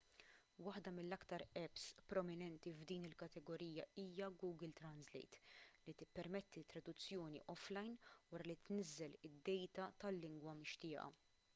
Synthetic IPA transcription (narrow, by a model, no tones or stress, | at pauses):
wɐħd̪ɐmɪlːɐkt̪ɐɾɛpspɾɔmɪnɛnt̪ivd̪iːnɪlkɐt̪ɛɡɔɾiːjɐiːjɐɡuːɡɪlt̪ɾɐnzlɛ̰jt̪lit̪ɪpːɛɾmɛt̪ːit̪ːɾɐd̪ʊt͡sːjɔːnḭʔɔflɐjnwɐɾɐlit̪nɪzːɛlɪd̪ːɛjt̪ɐt̪ɐlːɪŋɡwɐmɪʃt̪ɪːʔɐ̰